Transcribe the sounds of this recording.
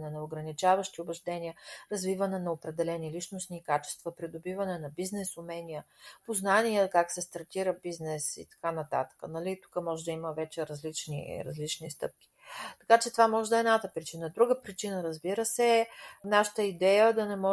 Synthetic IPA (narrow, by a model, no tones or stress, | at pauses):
nɛnɐoɡɾɐnit͡ʃavəʃt̪iobɛʒd̪ɛnʲiəɾɐzvivənɛnɐopɾɛd̪ɛlɛnilit͡ʃnosnikat͡ʃɛ̥st̪vəpɾid̪obivənɛnɐbiznɛsʊmɛnʲijəpoznaniəkaksɛst̪ɐɾt̪iɾəbiznɛsḭt̪ɐ̥kanɐt̪a̰t̪ə̥kənɐlit̪u̥kəmɔʒɛd̪əiməvɛt͡ʃɛɾəzlit͡ʃnḭɾɐ̰zlit͡ʃnist̪ɤp̚kʲi̥ | t̪ɐ̥kat͡ʃɛt̪ovamɔʒɛd̪əɛːd̪nat̪əpɾit͡ʃinəd̪ɾuɡəpɾit͡ʃinəɾəzbiɾəsɛnaʃə̥t̪əid̪ɛjəd̪ɐnɛmɔ